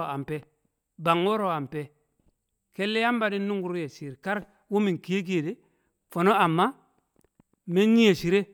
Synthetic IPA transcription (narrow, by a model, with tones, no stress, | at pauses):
a˨mpe˦ | ba˨ŋo˦ɾo˨a˨mpe˦ | ke˦lːe˦ja˦mba˨di˦nːu˦ŋɡu˨ɾu˦je˨si˨ɾka˦ɾ | wu˦mi˨ki˨je˦k̬i˦˨de˦ | fo˨no˦a˨mːa˦ | me˦ni˦je˨ʃi˨ɾe˦